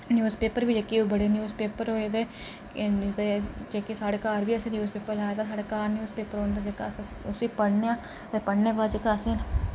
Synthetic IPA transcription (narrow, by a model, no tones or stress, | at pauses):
njuːzpeːpəɾbiːd͡ʒeːkiːbəɽeːnjuːzpeːpəɾɦoːed̪eː | d̪ed͡ʒeːkesaːɽeːkaːɾbiːəsẽːnjuːzpeːpəɾlaːet̪aːsaːɽeːkaːɾnjuːzpeːpəɾɦoːnd̪aːd͡ʒeka̰ːs | ʊsiːpəɽneːãː | t̪eːpəɽneːbaːd͡ʒeːkasẽːn